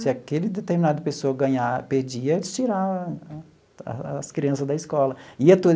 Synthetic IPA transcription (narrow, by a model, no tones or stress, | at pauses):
sɪakelɪd̪et̪eɾminad̪ɐpesoɐɡɐ̃ɲaɾped͡ʒiɐt͡ʃiɾa | skɾiɐ̃sɐzd̪ɐiskɔlɐiɐt̪o